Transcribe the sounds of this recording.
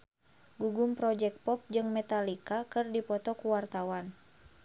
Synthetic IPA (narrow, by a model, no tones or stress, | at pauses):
ɡuɡumpɾɔd͡ʒɛk̚pɔp̚d͡ʒɨŋmɛt̪alikakɨrdipɔt̪ɔkuwart̪awan